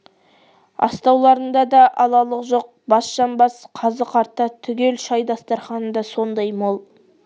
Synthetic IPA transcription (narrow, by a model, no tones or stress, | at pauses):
ɑ̰st̪ɑwlˠɑɾənd̪ɑd̪ɑʔɑlˠɑlˠəqʒo̞q̚bɑsʃɑnbɑsqʰɑzəqɑɾt̪ːɑt̪ʰʏɡʲe̞lʃɑjd̪ɑst̪ɑɾχɑnəd̪ɑso̞nd̪ɑjmolˠ